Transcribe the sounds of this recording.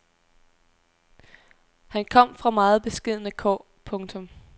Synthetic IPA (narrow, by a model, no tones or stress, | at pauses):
hænkʰɒ̽m̰fʁɑ̈mɑ̈ːð̩ˠb̥e̝sɡ̥e̝ð̞̰ˠnəkʰɒ̰ː | pʰɔ̽ŋt͡sʰɔ̽m